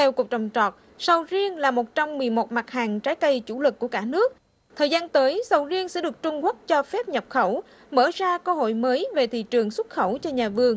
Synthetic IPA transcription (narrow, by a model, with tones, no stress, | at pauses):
t̪ʰɛ˧wku˨˩ək̚t͡ɕɔ˨˩wŋ͡mt͡ɕɔ˨˩t̚ | sə˨˩wzi˧ənlaː˨˩mo˨˩t̚t͡ɕa˧wmːɨ˨˩əjmo˨˩t̚ma˨˩k̚haː˨˩ŋt͡ɕaː˨˦jkə˧jt͡ɕṵ˧˩lɨ˨˩kːu˧˩əkaː˧˩nɨ˦˥ək̚ | t̪ʰəː˨˩jzaː˧nt̪əː˨˦jsə˨˩wzi˧ənsɛ̰˧˥ɗɨ˨˩ə˩k̚t͡ɕʊ˧ŋ͡mɣə˦˥k̚t͡ɕɔ˧fɛ˦˥p̚ɲə˨˩p̚xə˧˩w | mə̰ː˧˩zaː˧kəː˧ho̰˧˨jməː˨˦jve˨˩t̪ʰḭ˧˨t͡ɕɨ˨˩əŋswə˦˥t̚xə˧˩wt͡ɕɔ˧ɲaː˨˩vɨ˧əŋ